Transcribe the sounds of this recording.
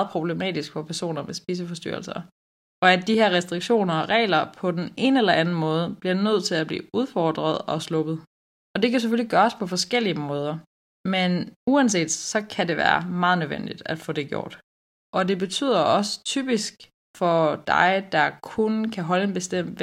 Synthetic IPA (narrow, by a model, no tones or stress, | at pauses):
ð̩ˠpʰʁo̝b̥le̝mɛ̰ːd̥isɡ̥fɒ̽pʰæɐso̝̰ːnɐmesb̥iːs̬əfɒ̽sd̥y̰ɐ̰lsɐ | ɒ̽æ̥ːiheɐ̰ʁɛsd̥ʁiɡ̥ɕo̝̰ːnɐɒ̽ʁɛ̰ɪlɐpʰɒ̽d̥ene̝ːnəelɐʔænn̩mɔ̽ːð̞ˠəb̥liɐdunøð̞̰ˠt͡sʰe̝læb̥lḭːuð̞ˠfɒːd̥ʁɐð̞̩ˠɒ̽slɔ̽b̥ð̞̩ˠ | ɒ̽d̥e̝kæs̬eføliɡ̥ɶːɐspʰɒ̽fɒ̽sɡ̥el̰iəmɔ̽ːð̞ˠɐ | menuæns̬e̝̰ːd̥sɒ̽kʰæde̝ʋæ̰ːɐmɑ̈ːð̞̩ˠnøʋen̰d̥id̥æd̥fɔ̰̽ːd̥e̝ɡ̥jo̝̰ːd̥ | ʔɒ̽de̝b̥e̝t͡sʰy̰ð̰ˠɐʔɒ̽sə̥t͡sʰy̰ːb̥isɡ̥ | fɒ̽d̥ɑ̈ɪd̥ɑ̈kʰunkʰæɦɒ̽ləe̝nb̥e̝sd̥em̰̥